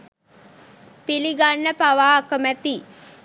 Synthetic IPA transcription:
piliɡanːəpaʋaːkəmæt̪i

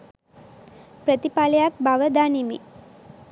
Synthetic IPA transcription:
pɾət̪ipaləjak̚baʋəd̪animḭ

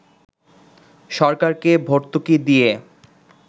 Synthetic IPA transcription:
ʃɔɾkaɾkebʱoɾt̪ukid̪ije

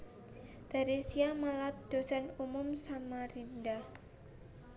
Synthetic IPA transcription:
d̪̥a̤ɾisiamalat̪̚d̪̥o̤sanumʊmsamaɾindah

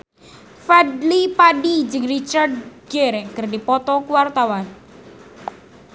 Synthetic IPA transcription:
fɛdlipaɖid͡ʒɨŋrit͡ʃard̚ɡ̥ɛrkɨrdipɔt̪ɔkwart̪awan

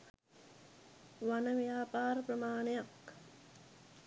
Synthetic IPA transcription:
ʋanəʋjaːpaːɾəprəmaːnejak

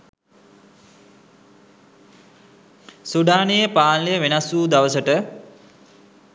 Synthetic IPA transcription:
suɖaːnejəpaːnləjəʋenasuːd̪aʋəsəʈə

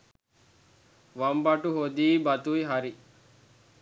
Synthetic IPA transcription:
ʋɐmbɐʈuɦod̪iːbɐt̪ujɦɐɾi

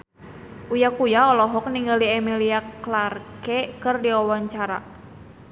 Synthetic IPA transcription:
ʔujakujaɔlɔɦɔk̚niŋɡaliɛmiliaklarkɛkɨrdiɔwɔɲt͡ʃaɾa̰

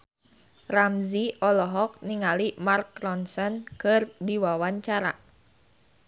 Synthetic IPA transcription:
ramziʔɔlɔɦɔk̚niŋalimarkɾɔnsɔnkɨrdiwawaɲt͡ʃaɾa̰

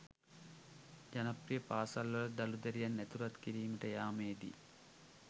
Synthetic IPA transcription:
d͡ʒɐnɐprijəpaːsalʋɐlɐɖ̪ɐlud̪ɐɾijanːæt̪uɾɐt̪kiɾiːməʈəjaːmeːd̪ḭ

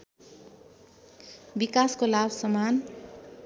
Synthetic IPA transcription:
bikaskolabsʌman

